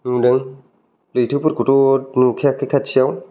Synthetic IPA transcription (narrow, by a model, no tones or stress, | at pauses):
nudəŋ | lit̪ʰɨput̚kutunukʰɛkʰːikʰat̚t͡ɕiəw